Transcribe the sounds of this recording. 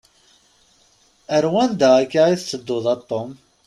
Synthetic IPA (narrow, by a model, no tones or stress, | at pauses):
əɾwænd̪akːaiθt͡sːəd̪ːʊðˤɑt̪ˤːom